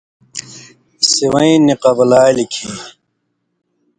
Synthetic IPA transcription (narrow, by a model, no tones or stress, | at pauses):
siwɐĩniqɐbɐlaːlikʰi